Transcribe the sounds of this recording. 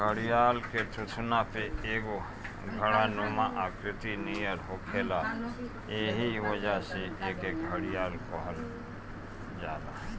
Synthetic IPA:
ɡəɽijaːlket̪ʰʊt̪ʰnapeeːɡo | ɡʱəɽanumãʔaːkɾɪt̪inijəɾɦoːkʰeːla | eɦiʋəd͡ʒaseʔeːkeːkɦəɽijaːlkɔɦəl | d͡ʒaːlaː

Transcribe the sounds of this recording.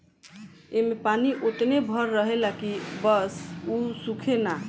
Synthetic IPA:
emepaniʔot̪nebʱəɾːəɦelakibəsusukʰena

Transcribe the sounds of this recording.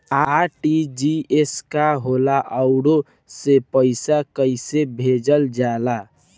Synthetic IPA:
aʈid͡ʒieskaɦolaʔəʊɽo | sepəɪsakəɪsebʱed͡ʒəld͡ʒaːla

